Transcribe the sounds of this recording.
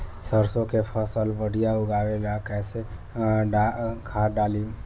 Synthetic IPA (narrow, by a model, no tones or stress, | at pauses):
səɾsokefəsəlʋəɽijauɡaʋelakɛse | ɖakʰaɖali